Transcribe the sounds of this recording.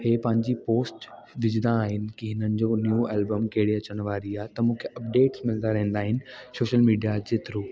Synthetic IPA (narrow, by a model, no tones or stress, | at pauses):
heːpɐ̃ɦɪ̃ɲd͡ʑipoːsʈʋɪd͡ʑd̪aːɦɪnɪ̆kiɦɪnənɪ̆d͡ʑoːnjuːɛːlbəmkɐɦɪɽiɐt͡ɕəɽ̃ʋaːɾiaːɦt̪ɐmũːkʰeʔɐp̚ɖeːʈsmɪld̪aɾɐɦə̃nd̪aːɦɪnɪ̆soːʃəlmiːɖijad͡ʑeːt̪ɪɾuː